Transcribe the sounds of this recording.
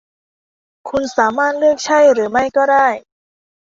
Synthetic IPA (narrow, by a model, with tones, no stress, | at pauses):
kʰu˧nsaː˩˦maː˥˩t̪̚lɯ˥˩ək̚t͡ɕʰa˥˩jɾɯː˩˦ma˥˩jkɔː˥˩daː˥˩j